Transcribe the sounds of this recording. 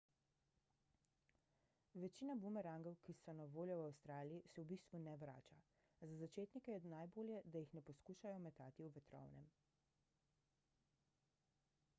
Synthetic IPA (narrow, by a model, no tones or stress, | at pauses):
ʋɛt͡ʃiːnabumɛɾaŋɡɔwkisɔnaʋoːljɔwawst̪ɾaːlijisɛwbist̪ʋunɛʋɾa̰ːt͡ʃa | zazat͡ʃeːt̪nikɛjɛnajboːljɛd̪ajixnɛpɔskuːʃajɔmɛt̪aːt̪iwʋɛt̪ɾɔ̰wnɛ̰m